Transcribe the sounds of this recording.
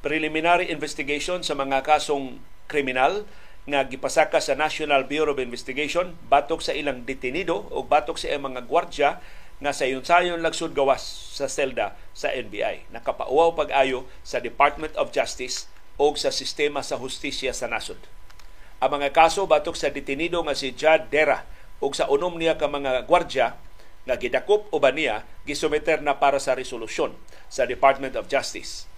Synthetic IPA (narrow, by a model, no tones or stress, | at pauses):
pɾɪlɪmɪnaɾiʔɪnvɛst̪ɪɡejʃonsɐmɐŋakaːsoŋ | kɾɪmɪnal | ŋaɡɪpasakasɐnaʃonalbjuɾobɪnvɛst̪ɪɡejʃon | baːt̪oksɐʔilaŋd̪ɪt̪ɪnid̪oʔʊɡ̚baːt̪ok̚saʔaŋmɐŋaɡwaɾd͡ʒa | ŋasaʔɪjʊnsajonlaɡsʊd̪̚ɡɐwasː | ɐsɛld̪asɐ̰ʔɛnbḭʔa̰jnɐkapa̰ʔʊwawpaɡʔaːjo | sad̪ɪpaɾt̪̚mɛ̃nt̪ɔfd͡ʒast̪ɪs | ʔʊɡsasɪst̪ɛmasaɦʊst̪isjasanasʊd̪ | ʔaŋmɐŋakaːsobaːt̪ʊksad̪ɪt̪ɪnid̪oŋasɪd͡ʒad̪ːɛɾa | ʔʊɡsaʔʊnʊmnijakamaŋaɡwaɾd͡ʒa | ŋaɡɪd̪akʊp̚ʊbanijaɡɪsʊmɛt̪ɛrnapaːɾasaɾɛsʊlʊsjon | sad̪ɪpaɾt̪̚mɛnt̪ɔfd͡ʒast̪ɪ̰s